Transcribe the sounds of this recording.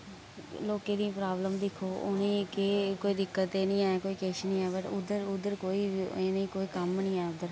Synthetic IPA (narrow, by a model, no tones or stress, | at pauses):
loːkeːd̪iːpɾaːbləmd̪ɪkʰːoːʔʊnĩːkɪkoːiːd̪ɪkːət̪eːnĩːɛːkoːiːkeʃnĩːɛːbəʈʊd̪əɾʊd̪əɾkoːiːeniːkoːiːkəmnĩːɛːʊd̪əɾ